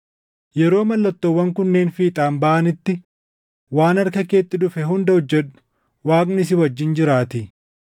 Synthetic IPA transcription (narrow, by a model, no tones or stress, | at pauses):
jɛɾo̞ːmɐlːɐt̪ːowːɐŋkʊnːe̞ːnfiːt̪ʼaːmbɐʔɐnɪt̪ːɪ | waːnɐɾkɐke̞ːt̪ːɪd̪ʊfɛɦʊnd̪ɐʊd͡ʒːɛᶑʊ̥ | waːknɪs̬ɪwɐd͡ʒːɪnd͡ʒɪɾaːt̪ɪ